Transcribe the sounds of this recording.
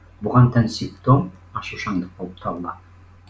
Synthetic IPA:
buʁɑnt̪ʰansʲɪpt̪om | ɑʃuʃɑŋd̪ɯq̚bolˠp̚t̪ʰɑllˠɑ

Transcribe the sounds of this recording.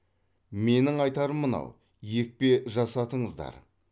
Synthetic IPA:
me̞nɪŋɑjt̪ɑɾəmːənɑ̰w | je̞k̚pe̞ʒɑsɑt̪əɴəzd̪ɑ̰ɾ

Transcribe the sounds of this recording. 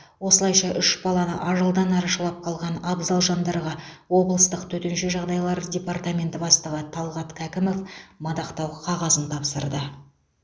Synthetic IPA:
wo̞səlˠɑjʃɑʔʏʃbɑlˠɑnə̰ʔɑʒəlˠd̪ɑnɑɾɑʃəlˠɑp̚qʰɑlˠʁɑnɑbzɑlˠʒɑnd̪ɑɾʁɑwo̞blˠəst̪əqt̪ʰɵt̪enʃe̞ʒɑʁd̪ɑjlˠɑɾdʲe̞part̪amʲe̞nt̪ɪbɑst̪əʁət̪ʰɑlˠʁɑt̪kʲʰækʲɪmo̞fmɑd̪ɑqt̪ɑwqʰɑʁɑzənt̪ʰɑpsəɾd̪ə

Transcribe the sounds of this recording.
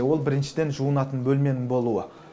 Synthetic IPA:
wo̞lˠbɪɾɪnʃɪd̪e̞nʒuənɑt̪ənbɵlme̞nɪŋbo̞lˠuə

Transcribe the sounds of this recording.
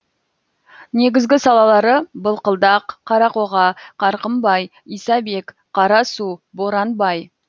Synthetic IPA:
ne̞ɡʲɪzɡʲɪsɑlˠɑlˠɑɾəbəlˠqəlˠd̪ɑqʰːɑɾɑqoʁɑqɑɾqəmbɑj | ijsɑbe̞k | qʰɑɾɑsuboɾɑnbɑj

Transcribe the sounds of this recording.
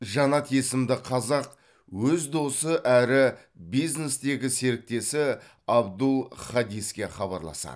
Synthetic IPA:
ʒɑnɑt̪ʰesɪmd̪ɪqʰɑzɑq | wɵzd̪o̞səʔæɾɪ | bijzne̞st̪e̞ɡʲɪse̞ɾɪk̚t̪e̞sɪ | ɑbd̪əlˠχɑd̪ijskʲe̞χɑbɑ̰ɾlˠɑ̰sɑ̰d̪

